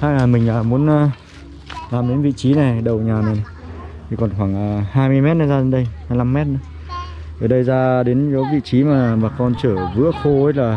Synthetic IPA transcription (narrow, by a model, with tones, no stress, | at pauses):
haː˧˩aː˨˩mï˨˩ŋ̟ʔaː˨˩mu˨˦ənʔaː˨˧ | laː˨˩mɗe˨˦nvḭ˧˨t͡ɕi˨˦na˨˩jɗə˨˩wɲaː˨˩na˨˩˨ | t̪ʰi˨˩kɔ˨˩nxwaː˧˩ŋʔaː˨˩haː˧jmɨ˧əjmɛ˦˥t̚nə˧˨˧jzaː˧ɗe˨˦nɗə˧jhaː˧jla˧mːɛ˦˥t̚nə˨˦ | t̪əː˨˩ɗə˧jzaː˧ɗe˨˦nzo˨˦vḭ˧˨t͡ɕi˨˦maː˨˩ɓaː˨˩kɔ˧nt͡ɕəː˧˩vɨ̰˧˥əxo˧e˧˦˥laː˨˩